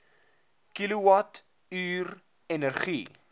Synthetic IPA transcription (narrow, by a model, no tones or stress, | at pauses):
kiluwɐt | yːr | ɛnərχi